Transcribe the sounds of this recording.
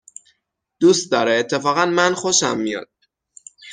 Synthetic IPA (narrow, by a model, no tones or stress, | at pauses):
d̪̥ust̪̚d̪ɒɾeːt̪ʰːe̞fɒːɣænmænxoʃæmːijɒ̰d̪̥̚